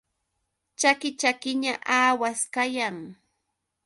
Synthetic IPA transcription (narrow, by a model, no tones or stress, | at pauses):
t͡ʃakɪt͡ʃakɪɲaʔaːwaskajaŋ